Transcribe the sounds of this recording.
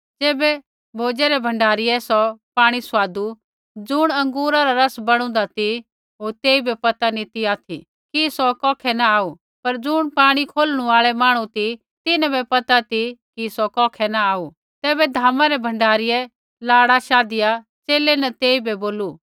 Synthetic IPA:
d͡zeːbɛ | bʱoːd͡ʒɛɾɛbʱɐ̃ɳɖaːɾɪɛsɔpaːɽ̃isʋaːd̪u | d͡zʊɽ̃ɐ̃ŋɡuːɾaɾaɾɐsbɐɽ̃ʊ̃nd̪at̪i | ɦoːɾt̪eːibɛpɐt̪anit̪iaːt̪ʰḭ | kisɔkɔ̃ːkʰɛnaaːu | pɐɾd͡zʊɽ̃paːɽ̃ikʰoːlɽ̃uaːɭɛmaːɽ̃ũt̪i | t̪ɪnãbɛpɐt̪at̪ikisɔkɔːkʰɛnaaːu | t̪ɛːbɛd̪ʱaːmãɾɛbʱɐ̃ɳɖʱaːɾɪjɛ | laːɽaʃaːd̪ɪja | t͡ʃeːlɛnɐt̪eːibʱɛboːlu

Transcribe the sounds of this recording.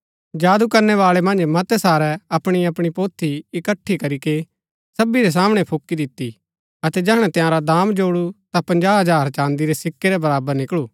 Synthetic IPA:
d͡ʒaːd̪ukɐɾnɛʋaːɭɛmɐ̃nd͡ʒmɐt̪ɛsaːɾɛɐpɽ̃iɐpɽ̃ipoːt̪ʰːiɪkəʈʰːikɐɾike | sɐbiɾɛs̬aːmɽ̃ɛpʰokːid̪ɪt̪ːi | ɐt̪ɛd͡ʒɛɦɽ̃ɛ̃t̪ɪjãːɾad̪aːmd͡ʒoːɽut̪apɐ̃nd͡ʒaːɦɐd͡ʒaːɾt͡ʃãːnd̪iɾesɪkːeɾɛbɐɾaːbəɾnɪkɭuː

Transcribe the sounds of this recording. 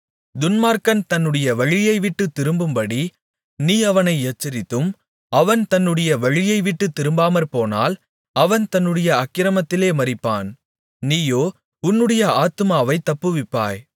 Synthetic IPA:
d̪ʊnmaːɾkɐnt̪ɐnːɯɽɐjɐʋɐɻɪjɐɪʋɪʈːɯt̪ːɪɾɯmbɯmpɐɽi | niːɐʋɐnɐɪet͡ʃːɐɾɪt̪ːɯm | ɐʋɐnt̪ɐnːɯɽɐjɐʋɐɻɪjɐɪʋɪʈːɯt̪ːɪɾɯmbaːmɐɾpoːna̰ːl | ɐʋɐnt̪ɐnːɯɽɐjɐɐkːɪɾɐmɐt̪ːɪleːmɐɾɪpːa̰ːn | niːjoː | ʊnːɯɽɐjɐaːt̪ɯmaːʋɐɪt̪ːɐpːɯʋɪpːa̰ːj

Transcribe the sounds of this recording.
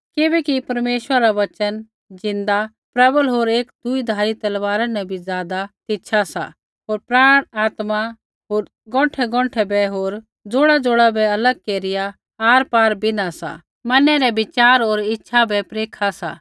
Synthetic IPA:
kɪbɛkipɐɾmeːʃwəɾaʋɐt͡ʃən | d͡zɪ̃nd̪a | pɾɐbəlɦoːɾeːkd̪ʊid̪ʱaːɾit̪ɐlʋaːɾanɛbʱid͡zjaːd̪at̪ɪtːʃʰasa̰ | ɦoːɾpɾaːɽ̃aːt̪ma | ɦoːɾ | ɡɔ̃ːʈʰɛɡɔ̃ːʈʰɛbɛɦoːɾ | d͡zoːɽad͡zoːɽabɛɐləɡ̚keːɾɪja | aːɾpaːɾbʱinasa̰ | mɐnɛɾɛbɪt͡ʃaːɾɦoːɾɪtːʃʰabɛpɾeːkʰasa̰

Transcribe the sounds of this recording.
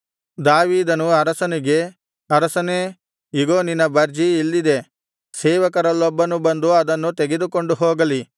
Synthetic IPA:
d̪aːʋiːd̪ɐnuɐɾɐsɐniɡe̞ | ɐɾɐsɐneː | iɡoːninɐbɐɾd͡ʒiilːid̪e̞ | sɛːʋɐkɐɾɐlːɔbːɐnubɐnd̪uɐd̪ɐnːut̪eɡe̞d̪uko̞ɳɖuɦɔːɡɐli

